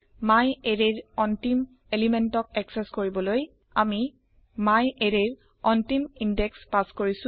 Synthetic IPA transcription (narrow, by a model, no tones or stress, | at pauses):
majeɹeɹɔntim | elimɛntɔk̚ɛksɛskoɹibɔloj | ami | majeɹeɹ | ɔntimindɛkspaskoɹisʊ̃